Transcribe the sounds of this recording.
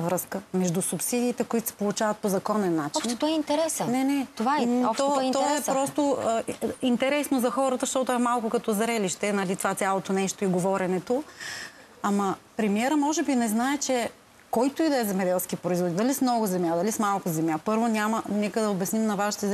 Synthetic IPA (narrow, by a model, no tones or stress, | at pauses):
vɾɤskəmɛʒd̪usupsid̪iːt̪ɛkoit̪o̥sɛ̥polˠʊt͡ʃavɐt̪̚pozɐkɔnɛnːat͡ʃiʃnt̪ɔɛint̪ɛɾɛsnɛnɛt̪ovat̪ɔt̪ɔɛpɾɔst̪oəint̪ɛɾɛsnozɐxɔɾət̪əʃt̪ɔt̪ɛmalˠkʊkɐt̪ɔzɾɛliʃt̪ɛnɐlit̪ovat̪sʲjalˠot̪onɛʃt̪oiɡovɔɾɛnɛt̪o | amɐpɾɛmiɛɾəmɔʒɛbinɛznaɛt͡ʃɛ | kɔjt̪oid̪ɐɛzɛmɛd̪ɛlˠskipɾoizvod̪id̪ɐlismnɔɡʊzɛmʲjad̪ɐlismalˠkʊzɛmjapɤɾvonʲamənɛkəd̪ɐobɐsnimnɐvaʃi̥t̪ɛz